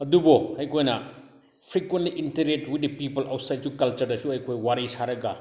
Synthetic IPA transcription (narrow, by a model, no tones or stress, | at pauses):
ɐdubɔɐjkʰojnɐ | pʰɾikwentliʔintɐɾetwit̚dipipɐlawt̚sajd̚sukɐlt͡ʃɐɾdɐsuɐjkʰojwaɾisaɾɐɡɐ